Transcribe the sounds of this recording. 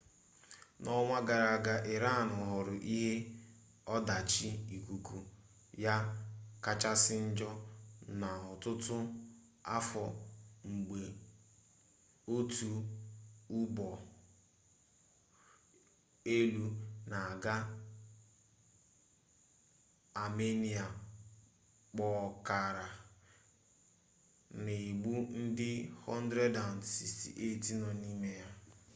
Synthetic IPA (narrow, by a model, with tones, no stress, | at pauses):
nɔ˦ŋʷa˦ɡa˨ɾa˨ɡa˦ʔe˨ɾa˦˨nʊ˨ɦʊ˨ɾʊ˨ʔi˦ɦe˦ | ɔ˦da˨t͡ʃi˦i˨ku˨ku˨ | ja˦ka˦t͡ʃa˦sɪ˦n̩˦d͡ʒɔ˦na˨ɔ˨tʊ˦tʊ˦ | a˦fɔ˨ŋ͡m̩˨ɡ͡be˨ | o˦tu˨ | u˦bɔ˨ | e˦lu˦na˨a˨ɡa˦ | a˨me˦ni˨a˨ | k͡pɔ˨ka˨ɾa˨ | ne˨i˨ɡ͡bu˦n̩˦dɪ˦hɔ˦n˦dɾe˦da˨nsi˨stḭ˨ʔe˦ti˦nɔ˨ni˦me˦ja˦